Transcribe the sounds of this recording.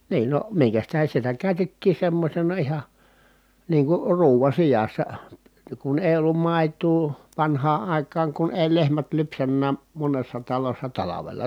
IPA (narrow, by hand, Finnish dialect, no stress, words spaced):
niːn no miŋkæs tæhen̞ sitæ kæˑy̞tetːiː semːosʲenɑ ihɑ niːŋ kur ruːʋɑ sijɑsːɑ kun eˑi̯ olːum mɑˑi̯tuː ʋɑnhɑː ʔɑˑi̯kɑːŋ kun eˑi lehmæt lypsænːæː monesːɑ tɑlosːɑ tɑlɑʋelɑ